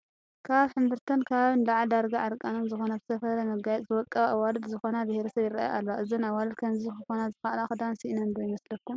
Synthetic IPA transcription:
kʰaβħɨmbɨɾt̪ʰɐnkʰaβaβɨnlaʕd̪aɾɡaʕaɾkʼanonzɨxo̞nabɨ̥sɐfɐɾɐmɐɡajɛt̪ʼzɨwɔkʼːɐβawalɨd̪zɨxo̞nabɨheɾɐsɐβjɪrɾaa̰jʔa̰lːoʔɨzinawalkʰɐnzixɨxonazɨxalaxɨd̪ansiʔnɐnbojmɐslɐkːum

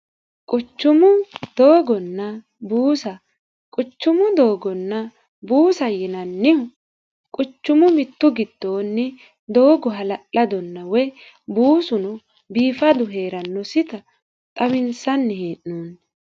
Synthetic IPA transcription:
kʼʊt͡ʃːʊmʊd̪̥o̞ːɡɔnːɐ | buːsɐ | kʼʊt͡ʃːʊmʊd̪oːɡɔnːɐ | buːsɐjɪnɐnːɪhʊ | kʼʊt͡ʃːʊmʊmɪt̪ːʊɡɪd̪̥ːo̞ːnːɪ | d̪o̞ːɡɔɦɐlɐʔɐd̪ɔnːɐwɛj | buːsʊnʊ | biːfɐd̪ʊɦeːɾɐnːɔsɪt̪ɐ | t̪ʼɐbɪnsɐnːɪheːʔnuːn

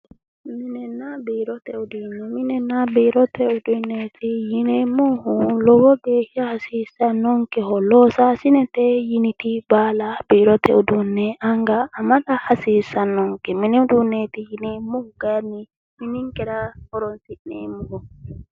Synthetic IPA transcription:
minɛnːabiːɾɔt̪ɛʊd̪inːɛmɪnɛnabiːɾɔt̪ʰɛʊd̪unːet̪ʰijinemɔhulɔwɔɡeːhjahasiːsanːɔŋkɛɦɔlɔːsaːsɪnɛt̪ɛjinit̪ibaːlab̥iːɾɔt̪ʰɛ̰ud̪unːɛʔaŋɡaːmaɗahasiːsanːɔŋkɛminiʊd̪unːet̪ijinemːɔhuɡ̥ajanːi | minɪŋkʼɛɾahɔɾɔnsinnḛːmːuhɔ

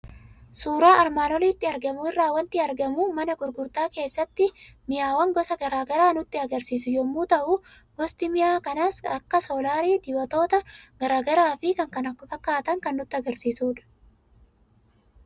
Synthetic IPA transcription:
suːɾaːʔɐɾmaːnɔliːt̪ːɪɐɾɡɐmʊɪrːaːwɐnt̪ɪɐɾɡɐmuːmɐnɐɡʊɾɡʊɾt̪aːke̞ːsːɐt̪ːɪ | mɪjaːwɐŋɡɔsɐɡɐɾaːɡɐɾaːnʊt̪ːɪɐɡɐɾsiːsʊjɔmːuːt̪ɐʔʊ | ɡ̥ɔst̪ɪmɪjaːkɐnaːsɐkːɐsoːlaːɾiːd̪ɪwɐt̪o̞ːt̪ɐɡ̥ɐɾaːɡɐɾaːfɪkɐŋkɐnɐkːɔfɐkːaːt̪ɐŋkɐnːʊt̪ːɪɐɡɐɾsiːsuːᶑɐ̥

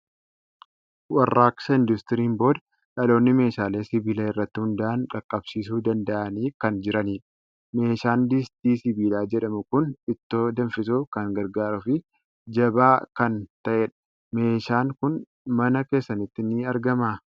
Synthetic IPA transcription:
wɐrːaːksɐɪnd̪ʊst̪ɪɾiːnbo̞ːd̪ɐ | ᶑɐlo̞ːnːɪme̞ːʃaːle̞ːsɪbiːlɐːɪrːɐt̪ːɪhʊnd̪ɐʔɐnkɐkʼːɐbsiːsuːd̪ɐnd̪ɐʔɐniːkɐnd͡ʒɪɾɐniːᶑɐ | me̞ːʃaːnd̪ist̪iːsɪbiːlaːd͡ʒɛᶑɐmʊkʊnɪt̪ːo̞ːd̪ɐnfɪsuːkɐŋɡɐɾɡaːɾʊfɪ | d͡ʒɐbaːkɐnt̪ɐʔɛᶑɐ̥ | me̞ːʃaːŋkʊn | mɐnɐke̞ːsːɐnɪt̪ːɪnɪɐɾɡɐmaː

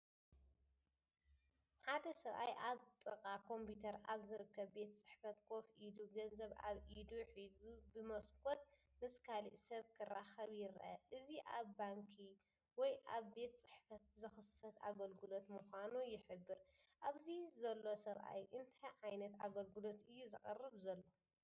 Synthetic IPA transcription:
ħad̪ɐsɐβʔa̰jʔaβt̪ʼɨkʼakʰo̞mpʰut̪ʰɐɾaβzɨɾɨkːɐβbe̞t̪t͡sʼɨ̥ħfɐt̪kʰo̞fʔid̪uɡɐnzɐβa̰βʔid̪uħizubɨmɐskʼot̪̚ | mɨskʰalḭʔsɐβkʰɨrːaxɐβjɪɾʔɐ̰ʔɨziʔaβbaŋkʰi | wɔjʔaβbe̞t̪t͡sʼɨħfɐt̪zɨxɨsɐt̪aɡɐlɡɨlo̞t̪mɨxʷanujɪħɨbːɨɾʔaβzizɐlːo̞sɐβʔa̰jʔɨnt̪ʰajʕajnɐt̪aɡɐlɡulo̞t̪ɨjːuzɨχʼɐrːɨβzɐlːo̞

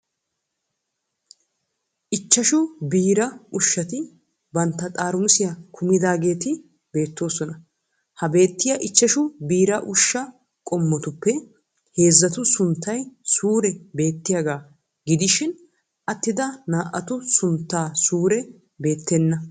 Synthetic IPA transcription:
ʔɪt͡ʃːɐʃʊbiːɾɐʊʃːɐt̪ɪ | bɐnt̪ːɐt̪ʼaːɾʊmsɪjɐkʰʊmɪd̪aːɡe̞ːt̪ɪ | be̞ːt̪ːo̞ːsɔnɐ | hɐbe̞ːt̪ːɪjɐʔɪt͡ʃːɐʃʊbiːɾɐʔʊʃːɐ | kʼɔmːɔt̪ʊpːɛ | he̞ːzːɐt̪ʊsʊnt̪ːɐjsuːɾɛbe̞ːt̪ːɪjɐɡaː | ɡɪd̪ɪʃɪn | ʔɐt̪ːɪd̪ɐnaːʔɐt̪ʊsʊnt̪ːaːsuːɾɛ | be̞ːt̪ːɛnːɐ

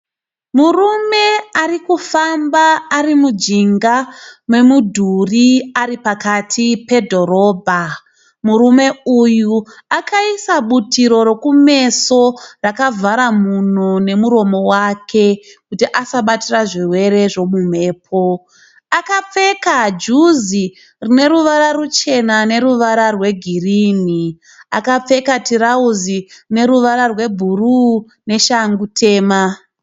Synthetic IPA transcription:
murume̞arikufambaːɾimud͡ʒiŋɡamwe̞mudʱuriaripakatʰipe̞dʱo̞ɾo̞ːbʱa | muɾume̞ujuakaisaɓutiɾo̞ɾo̞kume̞so̞rakavʱaɾamun̤one̞muɾo̞mo̞wakʰe̞kutiʔasaɓatiraʐirwe̞ɾe̞ʐo̞mum̤e̞ːp̚ʰo | akap͡fe̞kad͡ʒuzi | rine̞ɾuʋaɾarut͡ʃe̞nane̞ɾuʋaɾarwe̞ɡʱiriːni | a̰kap͡fe̞katiɾauzirine̞ɾuʋaɾarwe̞bʱuru | ne̞ʃaŋɡutʰe̞ːma

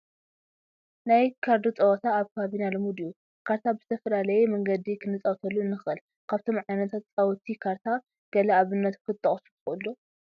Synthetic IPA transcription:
najkʰaɾd̪ot͡sʼɐwɐt̪ʰaːβkʰaβinalɐmud̪iju | kʰaɾt̪ʰabɨzɨt̪ʰɐfɐlalɐjemɐŋɡɐd̪ikʰɨnɨt͡sʼɐwt̪ʰɐlːuɨnːɨxɨl | kʰaβt̪ʰo̞mʕajnɐt̪ʰat̪t͡sʼawt̪ʰikʰaɾt̪ʰa | ɡ̥ɐlɐaβɨnːɐt̪kʰɨt̪ʰʼːɐχʼsut̪ɨxʔɨlːo

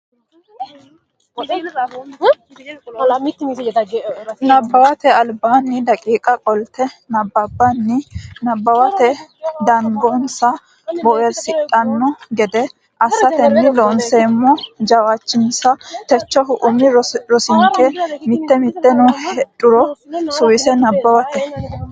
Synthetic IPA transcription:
nɐbːɐwɐt̪ɛɐlbaːnːɪd̪ɐkʼiːkʼɐkʼɔlt̪ɛnɐbːɐbːɐnːɪnɐbːɐwɐt̪ɛd̪ɐŋɡɔnsɐ | bɔʔɛɾsɪt̪ʼːɐnːɔɡɛd̪ɛ | ʔɐsːɐt̪ɛnːɪlɔnseːmːɔd͡ʒɐwaːt͡ʃːɪnsɐt̪ɛt͡ʃːɔɦʊʔʊmɪɾɔsɪŋkʼɛmɪt̪ːɛmɪt̪ːɛnɔhɛɗʊɾɔsʊwɪsɛnɐbːɐwɐt̪ɛ

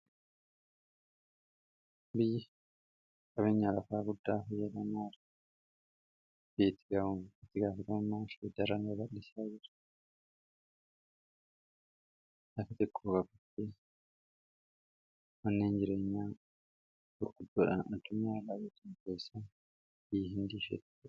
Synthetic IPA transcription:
bɪjːɪ | kʼɐbeːɲːaːlɐfaːɡʊd̪ːaːfɐjɐlɐmaːɾ | beːt̪ːɪ̥ɡɐt̪ːɪɡaːfɐt̪ɐmʊmːaːfɛd̪ɐɾɐnbɐlːɪsaːd͡ʒɪɾɐ | lɐfɐt̪ɪkʰʼːoːkɐbɐt̪ːe | mɐnːeːnd͡ʒɪɾe̞ːɲːaː | ʊɾɡ̥ʊd̪ːoːᶑɐ̰nɐd̪ːʊɲːaːlːaːbeːt̪ɪnkeːsːɐn | b̥ɪjːɦɪnd̪iːʃɛ̰t̪ː

